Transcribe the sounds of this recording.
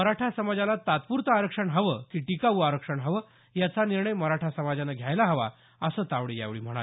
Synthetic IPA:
məɾaʈʰasəmad͡zalat̪at̪puɾt̪əaɾəkʂəɳɦəʋəːkiːʈikaʋuaɾəkʂəɳɦəʋə | jat͡saniɾɳəjməɾaʈʰasəmad͡zanaɡʱjajlaɦəʋa̰ | əsəːt̪aʋɽija̰ʋɭḭːm̤əɽ̃a

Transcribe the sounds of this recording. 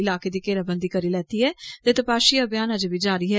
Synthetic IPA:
ɪlaːkeːd̪iːkeːlaːbənd̪iːkəɾiːlɛːt̪iːɛːt̪eːt̪əpaːʃiːəbjaːnəd͡ʒʋiːd͡ʒaːɾiːɦɛ

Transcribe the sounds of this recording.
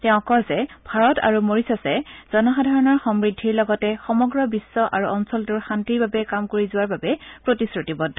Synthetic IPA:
tɛʊ̃kɔzɛb̥ʱaɹɔta̰ɹumoɹisɔsɛz̥ɔnɔxadʱaɹɔnɔɹxɔmɹidʱːiɹlɔɡɔtɛxɔmɔɡɹɔbisːɔʔaɹuʔɔnsɔltʊɹxantiɹbabɛkamkoɹizʊwaɹbabɛpɹotisɹutibɔdʱːɔ

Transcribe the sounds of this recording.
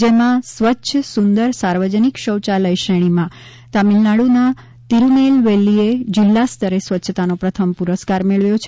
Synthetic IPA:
d͡ʒemãsʋətːʃʰəsund̪əɾsaɾʋəd͡ʒənikʃəwt͡ʃaləjʃəɽ̃imã | t̪amilnaɽuna | t̪iɾunelʋelied͡ʒɪlːast̪ʰəɾesʋətːʃʰət̪anopɾət̪ʰəmpuɾəskaɾmeɭʋjot͡ʃʰ

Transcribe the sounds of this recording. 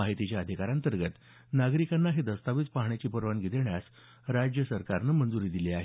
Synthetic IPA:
aɦit̪it͡ɕjaəd̪ʱikaɾant̪əɾɡət̪ | naɡɾikanːaɦid̪əst̪aʋiːt͡spaɦɳat͡ɕiːpəɾʋanɡid̪eɳjas | ɾad͡ʑjəsəɾkaɾnəmənd͡zuɾiːd̪iliaɦe

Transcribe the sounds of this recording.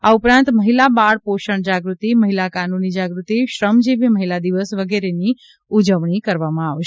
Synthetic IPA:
aupɾãnt̪məɦilabaɽpoʃəɳd͡ʒaɡɾut̪iməɦilakanunid͡ʒaɡɾut̪iʃɾəmd͡ʒiʋjəməɦilad̪iʋəsʋəɡeɾeni | ud͡ʒəʋɳikəɾʋamãaʋʃ

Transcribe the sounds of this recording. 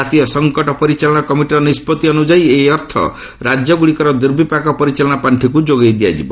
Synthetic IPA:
at̪ijɔsɔŋkɔʈɔpɔɾit͡ʃalɔɽ̃ɔkɔmiʈiɾɔnispɔt̪iɔnud͡ʒajeɦiɔɾt̪ʰɔ̰ | ɾad͡ʒjɔɡuɽikɔɾɔd̪iɾbʱipakɔpɔɾit͡ʃalɔɽ̃apaɳʈʰikud͡ʒoɡejd̪ia̰d͡ʒibɔ̰

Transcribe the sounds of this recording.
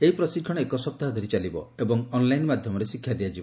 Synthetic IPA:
eɦipɾɔsikʰːɔɽ̃ekɔsɔp̚t̪aɦɔd̪ʱɔɾit͡ʃalibɔ̰ebɔŋɔnlajnmad̪ʱjɔmɔɾesikʰːjad̪iad͡ʒibɔ

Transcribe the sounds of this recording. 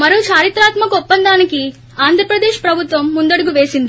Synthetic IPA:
mɐɾuːt͡ʃaːɾit̪ɾaːt̪mɐkɔpːɐnd̪aːniki | aːnd̪ʱɾɐpɾɐd̪eːʃpɾɐbʱut̪ʋɐmːund̪ɐɽuɡuʋe̞ːsind̪i

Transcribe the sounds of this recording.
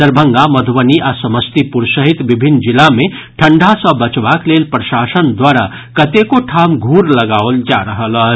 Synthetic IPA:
səɾbʱəŋɡaməd̪ʱʋəniʔasəməst̪ipuɾsəɦit̪bibʱinːd͡ʒilːame | ʈʰəɳɖʱasəbət͡ʃbaklelpɾəʃasənd̪waɾa | kət̪ekoʈʰamɡʱuɾləɡaold͡ʒaɾəɦələ

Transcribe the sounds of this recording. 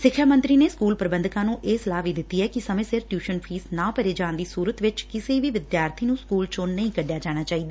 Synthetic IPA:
sɪkʰːʃaːmə̃nt̪ɾiːneːskuːlpəɾəbə̃nd̪kãːnũːʔeːsəlaːʋiːd̪ɪt̪ːiːɛːkɪsəmẽːsɪɾʈjuːʃənpʰiːsnãːpəɾeːd͡ʒãːnd̪iːsuːɾət̪ʋɪt͡ʃkɪseːʋiːʋɪd̪jaːɾt̪ʰiːnũːskuːlt͡ʃõːnəĩːkəɖjaːd͡ʒaːɽ̃aːt͡ʃaːiːd̪aː

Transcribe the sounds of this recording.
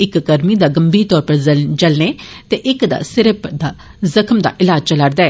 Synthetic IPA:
ɪkːəɾmiːd̪aːɡəmbiːɾt̪ɔːɾpəɾd͡ʒəlneːt̪eːʔɪkd̪a̰ːsɪɾəpd̪aː | zəkʰmd̪a̰ːʔɪlaːd͡ʒt͡ʃəlaːɾd̪aːɛː

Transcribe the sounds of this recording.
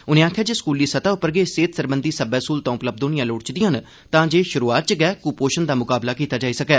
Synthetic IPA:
ʊnẽːaːkʰjaːd͡ʒeːskuːliːsət̪aːʊpːəɾɡeːseːt̪səɾbənd̪iːsəbɛːskuːlt̪õːʊpləb̚d̪oːnɪjãːloːɽt͡ʃd̪ɪjãːn | t̪ãːd͡ʒeːʃʊɾuːaːt̪̚t͡ʃəɡɛːkuːpoːʃənd̪aːmʊkaːblaːkiːt̪aːd͡ʒaːiːsəkɛː

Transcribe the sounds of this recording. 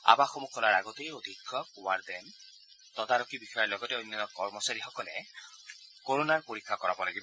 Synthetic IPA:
a̰baxomukʰɔlaɹaɡɔtejod̪ʱikʰːɔwaɹdɛn | tɔdaɹɔkibixɔjɔɹlɔɡɔtɛojnːɔnɔkɔɹmɔsaɹixɔkɔlɛ | koɹonaɹpoɹikʰːakɔɹa̰bɔlaɡibɔ

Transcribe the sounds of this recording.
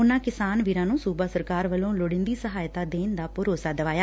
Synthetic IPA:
ʊnãːkɪsaːnʋiɾãːnũːsuːbaːsəɾkaːɾʋəlõːloɽɪ̃nd̪iːsəɦaːjt̪aːd̪eːnd̪aːpʊɾoːsaːd̪əʋaːjaː

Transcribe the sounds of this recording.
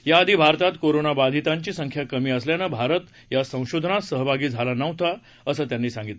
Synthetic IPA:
jaːd̪ʱibʱaɾt̪at̪koɾonabad̪ʱit̪aɲt͡ɕiːsəŋkʰjakəmiːəsljanəbʱaɾət̪ | jasə̃w̃ɕod̪ʱənasəɦəbʱaɡiːd͡zʱalanəwt̪a | əsəːt̪janːiːsãŋɡit̪l

